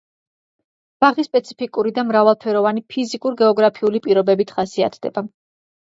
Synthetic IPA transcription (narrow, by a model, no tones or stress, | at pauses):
b̥aʁispʼɛt̪sʰi̥pʰikʼuɾid̪amɾavalˠpʰɛɾɔvanipʰizikʼuɾɡɛɔɡɾapʰiulipʼiɾɔbɛbit̪ʰχasia̰t̪ʰd̪̥ɛ̰ba